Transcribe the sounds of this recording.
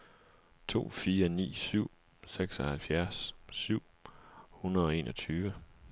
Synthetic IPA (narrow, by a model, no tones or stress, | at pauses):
t͡sʰo̝̰ːfiːɐnḭːsyʊ̰ | seɡ̥sɒ̽hælfjæɐsːyʊ̰hunɐðˠɒ̽e̝ːnʔɒ̽t͡sʰyːʋə